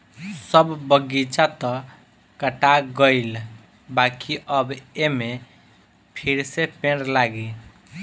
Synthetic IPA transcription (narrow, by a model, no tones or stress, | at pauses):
səbːəɡit͡ʃat̪ɔ̃ | kəʈaɡəɪl | bakiʔəbeme | pʰiɾsepẽɽlaɡi